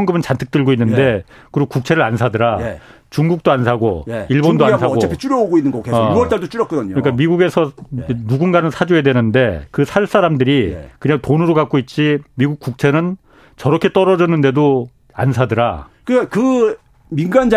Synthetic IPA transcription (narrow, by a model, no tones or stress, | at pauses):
ŋɡɯbɯnt͡ɕantʰɯ̥k̚t͈ɯɭɡoinːɯnde̞ | kɯɾiɡokuk̚t͡ɕʰe̞ɾɯɾansʰadɯɾae | t͡ɕuŋɡuk̚t͈oansʰaɡo̰iɭbondoasʰaot͡ɕepʰit͡ɕ͈uɾjʌoɡoinːɯnŋɡʌkeʌɭt͈aɭdot͡ɕ͈ujʌk͈ʌdɯɲoɯɲik͈amiɡuɡe̞sʰʌnuɡunɡanɯnsʰad͡ʑoe̞dwe̞nɯnde̞kɯsʰaɭs͈aɾamdɯɾikɯɲaŋtonɯɾokak͈oit̚t͡ɕ͈imiɡuk̚k͈uk̚t͡ɕʰe̞nɯn | t͡ɕʌɾʌkʰe̞t͈ʌɾʌd͡ʑʌnːɯnde̞do | ansʰadɯɾakɯkakɯ | minɡand͡ʑ